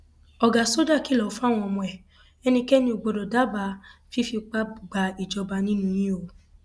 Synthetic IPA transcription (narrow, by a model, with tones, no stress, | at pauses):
ɔ˨ɡa˨so˦da˦˨ki˦˨lɔ˨˦fa˦˨w̃ɔ̃˧ɔ˧mɔ̃˧ɛ˨ | ɛ˦nĩ˧kɛ˦nĩ˧o˨ɡ͡bo˧dɔ˨da˦ba˧fi˦fi˧k͡pa˦bɡ͡ba˧i˨d͡ʒɔ˧ba˧nĩ˦nũ˧˦j̃ĩ˦o˨